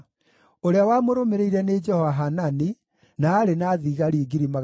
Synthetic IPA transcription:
oɾeawamoɾomeɾeiɾɛned͡ʒɛhɔvaɦanani | naːɾenaːðiɣaɾiɡiɾimaɣ

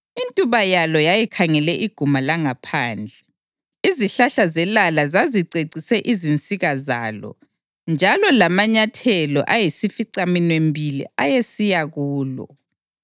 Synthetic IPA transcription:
intʼuβajalɔjajikʰaŋɛlɛʔiɡ̥ʱumalaŋapʰaːnd͡ɮʱɛ | iziɬaɬazɛlalazaziǀeǀisɛʔizint͡sʼiɣaza̰ːlɔ̰ | nd͡ʒʱalɔlamaɲatʰɛlɔ̰ʔajisifiǀaminwembʱilḭajesijaɣuːlɔ̰

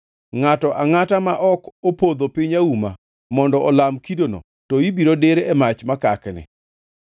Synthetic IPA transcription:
ŋatɔʔaŋatamaʔɔkɔpod̪opiɲauma | mɔndɔʔɔlamkidono̰ | tɔibiɾodeɾeɛmat͡ʃmakaknɪ̰

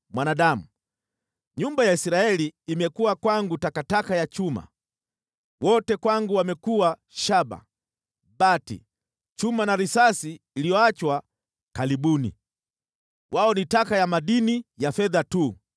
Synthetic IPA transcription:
mwanaɗamu | ɲumbajaisiɾaɛliːmɛkuwakwaŋɡutakatakajat͡ʃuma̰ | wɔtɛkwaŋɡuwamɛkuwa | ʃaba̰ | ɓatḭ | t͡ʃumanaɾisasiːlijɔat͡ʃwa | kaliɓunḭ | wʔaɔnitakajamaɗinijafɛðatu

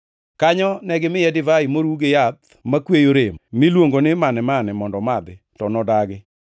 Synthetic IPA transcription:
kaɲɔnɛɡɪmɪɛdɪvaimoɾuɡejat̪ | makwejoɾemmɪlwoŋɡonɪmanɛmanɛmɔndɔmad̪ɪ | tɔnɔdaɡɪ

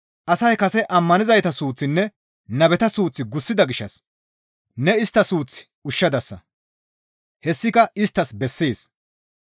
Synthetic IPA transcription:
ʔɐsɐjkɐsɛʔɐmːɐnɪzɐjt̪ɐsuːt͡sːɪnːɛ | nɐbɛt̪ɐsuːt͡sːɪɡʊsːɪd̪ɐɡɪʃːɐ̰s | nɛɪst̪ːɐsuːt͡sːɪ̥ | ʊʃːɐd̪ɐsːɐ̰ | hɛsːɪkɐɪst̪ːɐsbɛsːeːs

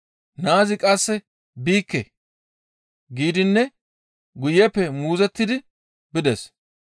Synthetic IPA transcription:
naːzɪkʼɐsːɛ | biːkːe | ɡiːd̪ɪnːɛ | ɡʊjɛpːɛmuːzɛt̪ːɪd̪ɪ | bɪd̪ɛs

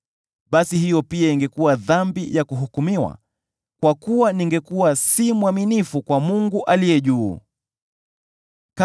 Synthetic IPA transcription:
ɓasihijɔpiaiŋɡɛkuwaðambijakuɦukumiwa̰ | kwakuwaniŋɡɛkuwasimuwaminifukwamuŋɡuʔalijɛʄuː | ka

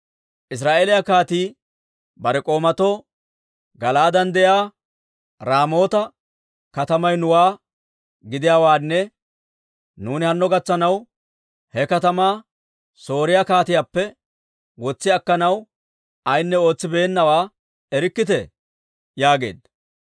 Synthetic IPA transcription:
ʔɪs̬ɾaːʔeːlɪjakaːt̪iː | bɐɾɛkʼo̞ːmɐt̪o | ɡɐlaːd̪ɐnd̪ɛjaː | ɾaːmo̞ːt̪ɐ | kɐt̪ɐmɐjnʊwaː | ɡɪd̪ɪjaːwaːnːɛ | nuːnɪhɐnːɔɡɐt͡sːɐnɐw | hɛkɐt̪ɐmaː | so̞ːɾɪjakaːt̪ɪjaːpːɛ | wɔt͡sːɪɐkːɐnɐw | ɐjnːɛo̞ːt͡sːɪbeːnːɐwaː | ɛɾɪkːɪt̪ɛ | jaːɡe̞̰ːd̪

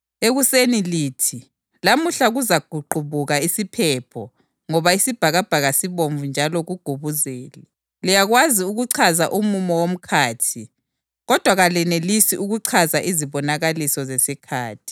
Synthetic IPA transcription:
eɣuseniliːtʰi | lamuɬaɣuzaɡ̥ʱuǃʱuβuɣaisipʰɛpʰɔ | ŋɔβaisib̥ʱaɣab̥ʱaɣasiβoɱvund͡ʒʱalɔɣuɡ̥ʱuβuzeːlɛ | lijaɣwaziuɣuǀʰazaʔumumɔwom̩kʰaːtʰi | ɣɔd̥ʱwaɣalɛnelisiʔuɣuǀʰazaʔiziβɔnaɣalisɔzesikʰa̰ːtʰi̥

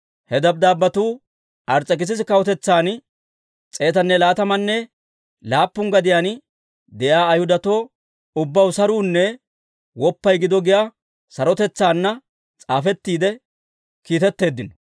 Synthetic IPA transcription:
hɛd̪ɐb̚d̪aːbːɐt̪uː | ʔɐɾt͡sʼːɛkɪs̬ɪsɪkɐwɔt̪ɛt͡sːaːn | t͡sʼe̞ːt̪ɐnːɛlaːt̪ɐmɐnːɛ | laːpːʊŋɡɐd̪ɪjaːn | d̪ɛjaːɐjhʊd̪ɐt̪o̞ː | ʊbːɐwsɐɾuːnːɛ | wɔpːɐjɡɪd̪ɔɡɪja | sɐɾɔt̪ɛt͡sːaːnːɐ | t͡sʼaːfɛt̪ːiːd̪ɛ | kiːt̪ɛt̪ːe̞ːd̪ːɪnɔ̥

